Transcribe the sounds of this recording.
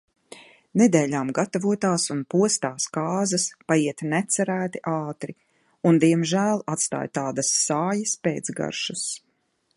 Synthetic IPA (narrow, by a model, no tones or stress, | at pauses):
nɛd̪eːʎʲaːmɡat̪avuɔt̪aːsunpuɔst̪aːskaːzɐspajiɛt̪nɛt̪sɛɾæːt̪iʔaːt̪ɾi | und̪iɛmʒæːlˠat̪st̪a̰ːjt̪aːd̪ɐsːaːjɐspeːt̪zɡa̰ɾʃus